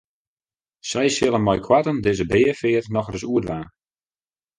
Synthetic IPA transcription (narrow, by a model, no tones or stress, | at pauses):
sɛjsjɪlˠənmɔjkʰwatəndɪzəbɪːəfɪətnɔxrəsuətʋaː